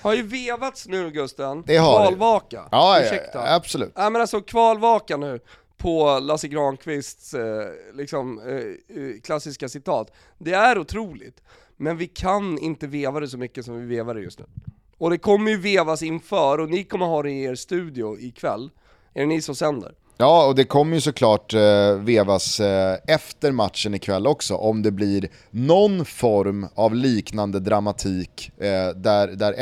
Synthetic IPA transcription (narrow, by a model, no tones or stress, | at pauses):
haɾjɵveːvat̪snʉ̟ːɡɵst̪ɾanɛvvɑːlvɑːka̰ɑʂɛkt̪absɔlʉ̰ːt̪nɛɪmɛnalsɔkʰvɑːlvɑːkanʉ̟ː | pʰɔlasɪɡɾɑːnkʰvɪst̪slɪksɔm | kʰlasːɪskasɪt̪ʰɑ̰ːt̪ | d̪ɛæɾʊt̪ʰɾuːlɪ̰t̪ | mɛnvɪkʰanɪ̰nt̪əveːvad̪ɛsɔmʏkːəsɔmvɪveːvad̪ɛ̰jɵ̰st̪nʉ̟ː | ɔd̪ɛkʰɔmːəjɵveːvasɪnfœːɾɔnɪkʰɔmːəɾɦɑːɾɪeːɾst̪ʉ̟ːd̪ɪʊɪkʰvɛ̰lː | æɾnɪsɔsɛnd̪ə̰ɾ | jɑːɔd̪ɛkʰɔmːəɾjɵsɔkʰlɑːʈveːvasɛft̪əɾmat̪ʂənɪkʰvɛlːɔksɔ̰ʔɔmd̪ɛbliɾ | nɔnfɔɾmavliːknand̪əd̪ɾamat̪ʰiːkd̪æɾd̪æɾ